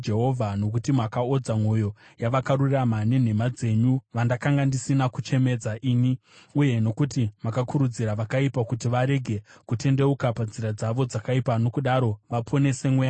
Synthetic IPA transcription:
d͡ʒeɦo̞vʱano̞kutimakao̞d͡zamwo̞jo̞jaʋakaɾuramane̞n̤emad͡ze̞ɲuʋandakaŋɡandisinakut͡ʃe̞me̞d͡zaʔiːni | uje̞no̞kutimakakuɾud͡ziɾaʋakaipakutiʋaɾe̞ɡʱe̞kute̞nde̞ukapand͡ziɾad͡zaʋo̞d͡zakaipano̞kuɗaɾo̞ʋapʰo̞ne̞se̞mweja

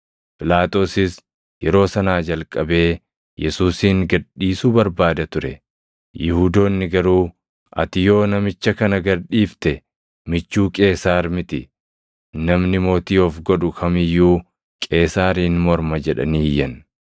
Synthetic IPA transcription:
pɪlaːt̪o̞ːsɪs | jɛɾo̞ːsɐnaːd͡ʒɐlkʼɐbe̞ː | jɛsuːsiːŋɡɐᶑːiːsuːbɐɾbaːd̪ɐt̪ʊɾɛ̰ | jɪhuːd̪o̞ːnːɪɡɐɾuː | ʔɐ̰t̪ɪjo̞ːnɐmɪt͡ʃːɐkɐnɐɡɐᶑiːft̪ɛ | mɪt͡ʃːuːkʼe̞ːsaːɾmɪt̪ɪ | nɐmnɪmo̞ːt̪iːɔfɡɔᶑʊkʰɐmɪjːuː | kʼe̞ːsaːɾiːnmɔɾmɐd͡ʒɛᶑɐ̰niːjːɐn

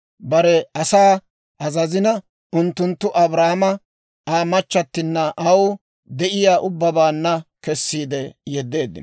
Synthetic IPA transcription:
bɐɾɛɐsaː | ʔɐzɐzɪnɐ | ʔʊnt̪ːʊnt̪ːʊʔɐbɾaːmɐ | aːmɐt͡ʃːɐt̪ːɪnːɐʔɐw | d̪ɛʔɪjaːʔʊbːɐbaːnːɐkɛsːiːd̪ɛjɛd̪ːe̞ːd̪ːɪ̰n

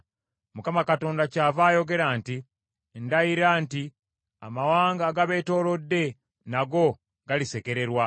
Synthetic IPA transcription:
mukamakato̞ːndacaːvaːjo̞ɡe̞ɾaːnti | ndajiɾaːnti | a̰mawaːŋɡaːɡaβe̞ːto̞ːlo̞dːe̞ | naɡo̞ | ɡalise̞ke̞ɾe̞ɾwa

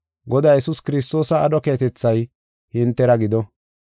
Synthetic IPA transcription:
ɡɔd̪aːjɛsuskɪɾɪst̪o̞ːsɐːɗɔke̞ːt̪ɛt͡sːɐj | hɪnt̪ːɛɾɐɡɪd̪ɔ

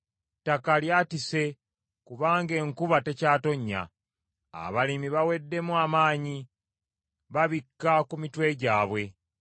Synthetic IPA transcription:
takaljaːtise̞ | kuβaːŋɡe̞ːŋkuβate̞caːto̞ɲːa̰ | a̰βalimiβawe̞dːe̞muamaːɲi | βaβikːakumitwe̞ɟaːβwe̞

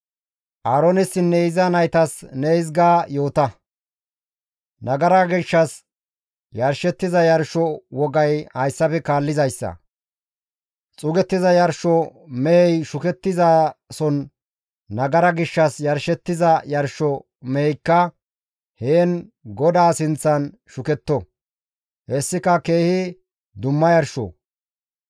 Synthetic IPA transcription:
ʔaːɾonɪsɪnːɛɪzɐnɐjt̪ɐsneɪzɡaːjo̞ːt̪ɐ | nɐɡɐɾɐɡɪʃːɐs | jɐɾʃɛt̪ːɪzɐjɐɾʃɔwɔɡɐjhɐjsːɐpɛkaːlːɪzɐjsːɐ̰ | t͡sʼʊɡɛt̪ːɪzɐjɐɾʃɔmɛɛjʃʊkɛt̪ːɪzaːsɔnː | ɐɡɐɾɐɡɪʃːɐsjɐɾʃɛt̪ːɪzɐjɐɾʃɔ | mejkːɐ | heːnɡɔd̪aːsɪnt͡sːɐn | ʃʊkɛt̪ːɔ | hɛsːɪkɐke̞ːhɪ | d̪ʊmːɐjɐɾʃɔ̰

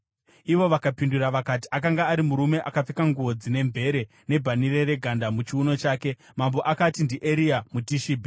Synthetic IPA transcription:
iʋo̞ʋakapinduraʋakati̥ʔakaŋɡaːɾimuɾume̞ʔakap͡fekaŋɡuʋo̞d͡zine̞mbʱe̞ɾe̞ | ne̞bʱanirere̞ɡʱandamut͡ʃiuno̞t͡ʃaːke̞ | mambo̞ʔakatindiʔeɾiamutiʃiːbʱi

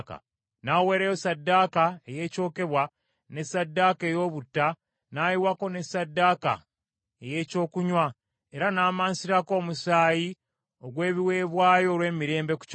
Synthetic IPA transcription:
ka̰ | naːwe̞ːɾejosadːakaeje̞ːco̞ːke̞βwa | ne̞sadːaːke̞ːjo̞ːβutːa | najiwako̞ne̞sːadːaːka̰ | eje̞ːco̞ːkuɲwa | e̞ɾanaːmaːnsiɾako̞ːmusaːji | o̞ɡwe̞ːβiwe̞ːβwaːjo̞ːɾwe̞ːmiɾe̞ːmbe̞ku̥c

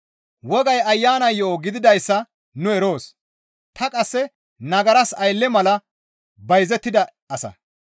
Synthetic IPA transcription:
wɔɡɐjɐjːaːnɐjɔoɡɪd̪ɪd̪ɐjsːɐ | nʊɛɾo̞ːs | t̪ɐkʼɐsːɛ | nɐɡɐɾɐsɐjlːɛmɐlɐ | bɐjzɛt̪ːɪd̪ɐ | ɐsɐ̰

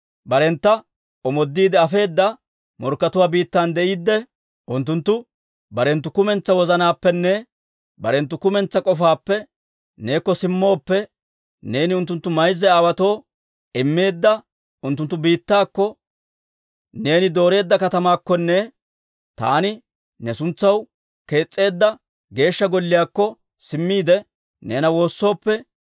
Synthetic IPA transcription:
bɐɾɛnt̪ːɐ | ʔɔmɔd̪ːiːd̪ɛɐfe̞ːd̪ːɐ | mɔɾkːɐt̪ʊwaːbiːt̪ːand̪ɛʔiːd̪ːɛ | ʔʊnt̪ːʊnt̪ːʊ | bɐɾɛnt̪ːʊkʊmɛnt͡sːɐwɔzɐnaːpːɛnːɛ | bɐɾɛnt̪̬ːʊkʊmɛnt͡sːɐkʼɔfaːpːɛ | ne̞ːkːɔsɪmːo̞ːpːɛ | ne̞ːnɪʊnt̪ːʊnt̪ːʊmɐjzːɛaːwɐt̪o̞ː | ɪmːe̞ːd̪ːɐ | ʊnt̪ːʊnt̪ːʊbiːt̪ːaːkːɔ | ne̞ːnɪd̪o̞ːɾe̞ːd̪ːɐkɐt̪ɐmaːkːɔnːɛ | t̪a̰ːnɪ | nɛsʊnt͡sːɐw | ke̞ːt͡sʼːe̞ːd̪ːɐ | ɡe̞ːʃːɐɡɔlːɪjaːkːɔ | sɪmːiːd̪ɛ | ne̞ːnɐwo̞ːsːo̞ːpːɛ

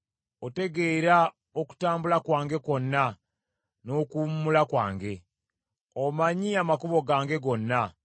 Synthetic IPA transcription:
ote̞ɡe̞ːɾa | oku̥taːmbulakwaːŋɡe̞ko̞nːa | no̞kummulakwa̰ːŋɡe̞ | omaɲiamakuβo̞ɡaːŋɡe̞ɡo̞nːa

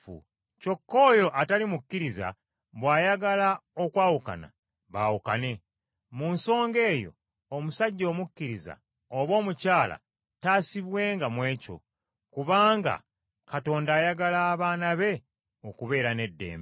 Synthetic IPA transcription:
co̞kːo̞ːjo̞ʔatalimukːiɾiza̰ | βwaːjaɡalao̞kwaːwuka̰na̰ | βaːwuka̰ne̞ | munso̞ːŋɡe̞ːjo̞̰ː | musaɟːo̞ːmukːiɾiza̰ | oβo̞ːmucaːla̰ | taːsiβwe̞ːŋɡamwe̞ːco̞̰ | kuβaːŋɡa̰ | kato̞ːndaːjaɡalaːβaːnaβe̞ | okuβe̞ːɾane̞dːe̞̰ːmb

